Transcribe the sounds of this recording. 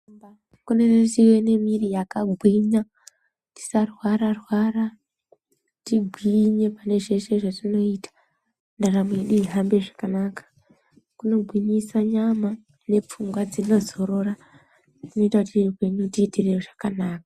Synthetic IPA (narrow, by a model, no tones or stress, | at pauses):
kuneretiwe̞ne̞mirijakaɡʱwiɲa | ti̥sarwaɾarwaɾa | tiɡʱwiɲe̞pane̞ʐe̞ʃe̞ʐatino̞itḁ | ndarameɗiɦambe̞ʐḁkanakḁ | kuno̞bʱwiɲisaɲama | ne̞p͡fuŋɡwad͡zino̞zo̞ɾo̞ɾa | tino̞itakutrupe̞ɲutitireroʐakanaːkḁ